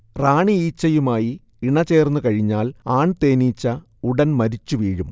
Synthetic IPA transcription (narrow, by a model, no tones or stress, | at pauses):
raːɳiiːt͡ɕːɐjumaːji | iɳɐt͡ɕe̞ːrnːukɐɻiɲːaːlaːɳt̪e̞ːniːt͡ɕːɐ | uɽɐnmɐɾit͡ɕːuʋiːɻum